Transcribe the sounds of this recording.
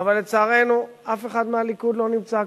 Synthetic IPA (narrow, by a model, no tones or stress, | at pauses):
avalːet͡saːʁejnu | afeχad̪mealikud̪lonimt͡sa